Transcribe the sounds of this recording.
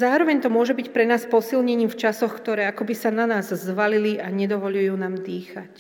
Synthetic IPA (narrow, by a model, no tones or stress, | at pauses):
zaːɾɔʋɛɲt̪ɔmʊɔʒɛbicpɾɛnaːspɔsilɲɛɲiːmft͡ʃasɔxkt̪ɔɾɛːakɔbisananaːzzʋaliliʔaɲɛd̪ɔʋɔʎujuːnaːmd̪iːxac